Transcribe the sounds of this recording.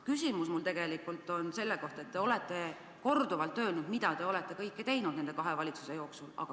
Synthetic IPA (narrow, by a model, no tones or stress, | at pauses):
kysʲimusmult̪e̞ɡe̞likːˑult̪ːˑo̞nse̞lːeko̞ht̪ɑet̪ːe̞o̞let̪ːˑe̞ | ko̞rd̪uvɑlt̪ˑːø̞ːlnud̪̥mid̪ɑt̪e̞o̞lɛt̪ːˑe̞kɤjkːet̪e̞jnud̪nend̪e̞kɑɦe̞vɑlʲit̪su̥se̞jo̞ːksulɑ̰ɡ̥ɑ